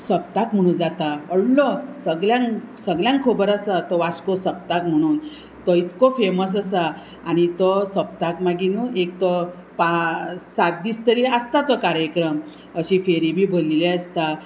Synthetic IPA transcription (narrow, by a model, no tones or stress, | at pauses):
səp̚t̪akm̤əɽ̃ũːnd͡zat̪aəɽlɔsəɡljãŋsəɡljãŋkʰobəɾasat̪ɔʋaskosəp̚t̪akm̤əɽ̃uːn | t̪ɔit̪kofeməs̬əsa | añit̪ɔsəpt̪akmaɡinuʔek̚t̪ɔ | pasat̪̚d̪iːst̪əɾiəst̪at̪ɔkaɾjəkɾəm | əɕifeɾibʱiːbolileəst̪a